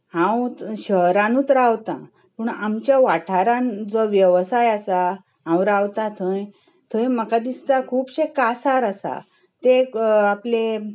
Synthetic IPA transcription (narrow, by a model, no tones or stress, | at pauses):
hãwɕəɦɾãnũːt̪ɾawt̪ã̰ | pəɳamt͡ɕjaʋaʈʰaɾãnd͡zɔʋjəʋsajasa | ɦãwɾawt̪at̪ʰə̃j | t̪ʰəjməkad̪ist̪akʰuːpɕekasaɾasa̰ | t̪eaple